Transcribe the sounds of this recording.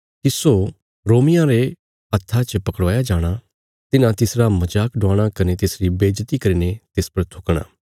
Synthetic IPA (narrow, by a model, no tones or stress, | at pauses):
kiso | ɾoːmɪjãɾe | ɐt̪ʰːat͡ʃəpɐkəɽʋaːjad͡ʒaːɽ̃a | t̪ɪnãt̪ɪsɾamɐd͡ʒaːkɖʊaːɽ̃akɐnet̪ɪsɾibeːd͡ʒt̪ikɐɾiːnet̪ɪspɐɾt̪ʰʊkɽ̃a̰ː